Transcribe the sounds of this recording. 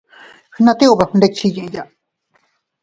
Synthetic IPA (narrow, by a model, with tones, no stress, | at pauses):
hɨ˧nã˧t̪e˦o˨βa˧hnd̪e˧t͡ʃi˧ɲẽʔja˨